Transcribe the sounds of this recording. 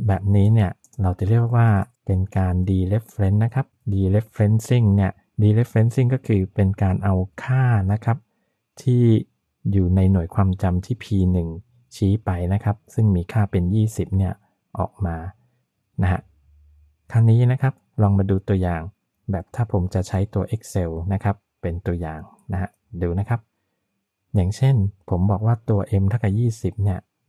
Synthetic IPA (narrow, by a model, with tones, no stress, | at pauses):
bɛː˨˩p̚niː˦˥ni˥˩ɐ | ɾa˧wt͡ɕa˨˩ɾi˥˩ək̚waː˥˩pe˧nkaː˧ndiː˧ɾe˦˥p̚fɾe˦˥nːa˦˥kʰa˦˥p̚diː˧le˦˥p̚fɾe˦˥nsi˥˩ŋni˥˩ɐ | diː˧le˦˥pfɾe˦˥nsi˥˩ŋkɔː˥˩kʰɯː˧pe˧nkaː˧nʔa˧wkʰaː˥˩na˦˥kʰa˦˥p̚ | t̪ʰiː˥˩ | juː˨˩na˧jnu˨˩˦jkʰwaː˧mt͡ɕa˧mt̪ʰiː˥˩pʰiː˧nɯ˨˩ŋ | t͡ɕʰiː˦˥pa˧jna˦˥kʰa˦˥p̚sɯ˥˩ŋmiː˧kʰaː˥˩pe˧njiː˥˩si˨˩p̚ni˥˩ɐ | ʔɔ̰ː˨˩k̚maː˧ | na˦˥kʰa̰˦˥ | kʰa˧ŋniː˦˥na˦˥kʰa˦˥p̚lɔː˧ŋmaː˧duː˧t̪u˧ɐjaː˨˩ŋ | bɛː˨˩p̚t̪ʰaː˥˩pʰo˩˦mt͡ɕa˨˩t͡ɕʰa˦˥jt̪u˧ɐʔe˦˥k̚se˧wna˦˥kʰa˦˥pːe˧nt̪u˧ɐjaː˨˩ŋ | na˦˥ha˦˥ | duː˧na˦˥kʰa˦˥p̚ | jaː˨˩ŋt͡ɕʰe˥˩npʰo˩˦mbɔː˨˩k̚waː˥˩t̪u˧ɐʔe˧mt̪ʰa˥˩ka˨˩jiː˥˩si˨˩p̚ni˥˩ɐ